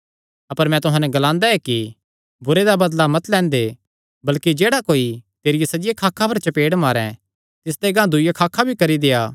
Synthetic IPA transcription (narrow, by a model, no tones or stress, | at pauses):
ɐpəɾmɛ̃t̪ʊɦãːnɛɡɐlãːnd̪aɛki | bʊɾed̪abɐd̪lamɐt̪lɛ̃ːnd̪e | bɐlkid͡ʒeːɽakoːit̪eːɾɪjesɐd͡ʒɪjekʰaːkʰːapʰɐɾt͡ʃɐpeːɽmaːɾɛ̰̃ | t̪ɪs̬d̪eɡãːd̪ʊjakʰaːkʰːabʱikɐɾid̪eːaː